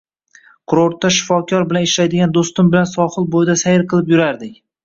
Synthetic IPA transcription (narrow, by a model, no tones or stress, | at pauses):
qʰʊɾoɾt̪ːaʃɪ̥fɒkʲʰɒɾbɪlanɪʃlajd̪ɪɡʲand̪ost̪ɪmbɪlansɒχɨlˠbojd̪asajɪɾqʰɨlˠɪpjʊɾaɾd̪ɪkʲ